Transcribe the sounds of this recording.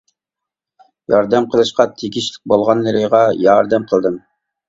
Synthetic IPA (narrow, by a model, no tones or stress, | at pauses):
jɑɾd̪æmqʰəlˠɨʃqɑt̪ʰiɡʲiʃlɪ̥k̚ʲbolˠʁɑnːɨɾɨʁɑjɑɾd̪æmqʰəlˠd̪ɨm